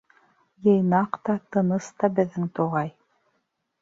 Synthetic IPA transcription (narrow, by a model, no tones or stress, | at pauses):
jɤ̆jnɑqt̪ɑt̪ɤ̆nɤst̪ɑbɘ̆ðːɘŋt̪oʁɑj